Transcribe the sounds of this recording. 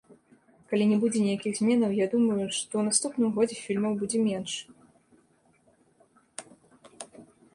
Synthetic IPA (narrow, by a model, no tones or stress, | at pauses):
kalʲinʲɛbud͡zʲɛnʲɛjakʲiɣzʲmʲɛnɐwjad̪umɐjuʂt̪ɔwnast̪upnɨmɣɔd͡zʲɛfʲilʲmɐwbud͡zʲɛmʲɛnʂ